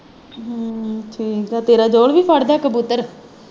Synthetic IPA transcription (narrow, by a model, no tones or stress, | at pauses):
ʈʰiːkɛːt̪eːɾaːd͡ʒoːɽʋiːpʰəɽd̪aːkəbuːt̪əɾ